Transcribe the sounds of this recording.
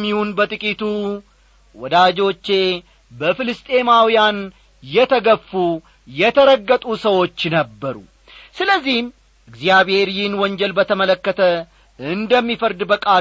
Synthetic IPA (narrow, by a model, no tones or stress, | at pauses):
mːihunbət̪ʼɨkʼit̪u | wɔd̪aːd͡ʒo̞t͡ʃːe̞ | bəfɪlɨst̪ʼe̞mawɪjan | jɛt̪ʰɐɡəfːu | jɛt̪ʰɐɾəɡːət̪ʼusɐwo̞t͡ʃːnɐbːəɾṵ | sɨləzːihn | ʔɨɡzɪjaβheɾjɪnwɔɲd͡ʒɛlbət̪əmələkːət̪ə | ɨnd̪əmːifəɾd̪bəkʼa